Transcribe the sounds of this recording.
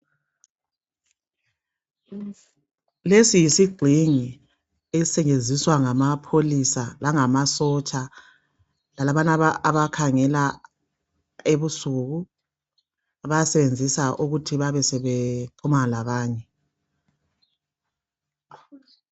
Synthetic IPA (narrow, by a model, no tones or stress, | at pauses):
lesijisiɡ͡ǀʱiŋi | eisɛɲend͡zʱiswaŋamapʰolisalaŋamasɔt͡ʃʼa | lalaβanaaaβakʰaŋɛla | eβusuɣu | βajasɛβend͡zʱisaʔuɣutʰiβaβɛsɛβeǃʰumalaβaːɲɛ